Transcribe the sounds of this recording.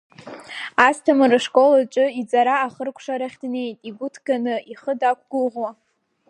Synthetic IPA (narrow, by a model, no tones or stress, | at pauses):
astʰamrɨʂkʼo̞lat͡ʃʼɨid͡zʼaɾaːχərkʷʰʂaɾaχʲdne̞jtʼiɡʷʊtʰɡanɨiχədakʷʰɡ̥ʊlʁwa